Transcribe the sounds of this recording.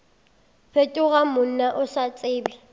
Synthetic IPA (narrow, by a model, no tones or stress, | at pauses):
pʰetʼʊɣamʊn̩naʔʊsat͡sʼɪːbɛ